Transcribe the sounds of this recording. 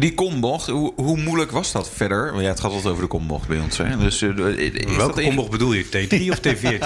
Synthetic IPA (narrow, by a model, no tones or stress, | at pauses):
dikɔmbɔχɦuɦumuləkʋɔzdɑtfɛdəɹjaətχaːtɔlˠtowvəɹdəkɔmbɔ̰χtbɛjɔnsɛdøs | ɪʋɛlkəkɔmbɔxbədulˠjətejdriɔftejviː